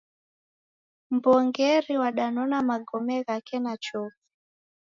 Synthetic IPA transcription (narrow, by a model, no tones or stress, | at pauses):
mbɔŋɡɛɾiwaɗanɔnamaɡɔmɛɣakɛnat͡ʃɔfi̥